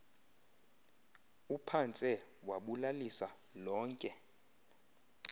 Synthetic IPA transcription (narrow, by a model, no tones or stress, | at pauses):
upʰant͡sʼɛwaɓulalisa | lɔːŋkʼɛ